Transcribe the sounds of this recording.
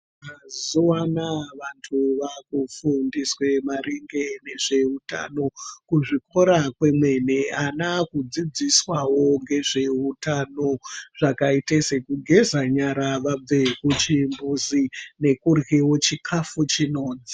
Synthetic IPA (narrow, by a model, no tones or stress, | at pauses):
aziwanaʋantʰuʋakufundiswe̞maɾiŋɡe̞ne̞ʐe̞uta̰no̞kuʐiko̞ɾakwe̞mwe̞neanakud͡zid͡ziswawo̞ŋɡe̞ʐe̞utano̞ʐ̥akaite̞se̞kuɡʱe̞zaɲaɾaʋab͡vekut͡ʃimbuzine̞kurɣewo̞t͡ʃikʰafut͡ʃino̞ːd͡zi